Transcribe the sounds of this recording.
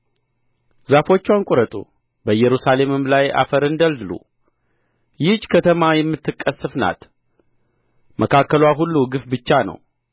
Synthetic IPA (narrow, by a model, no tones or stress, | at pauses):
zafo̞t͡ʃːwankʼuɾət̪ʼṵ | bəjɛɾusale̞mɨmlaja̰fəɾɨnd̪əld̪ɨlṵ | jɪd͡ʒkʰət̪ʰəmajɛmːɨt̪ːɨkʼːəsːɨfna̰t̪ | mʔəkʰakːəlwaɦulːuɡɨfbɨt͡ʃːanə̰w